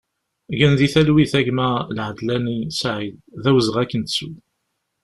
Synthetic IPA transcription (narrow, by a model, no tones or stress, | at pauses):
ʝənðiθælwiθæʝmælʕəd̪lænisʕid̪ðæwəzʁækːənsu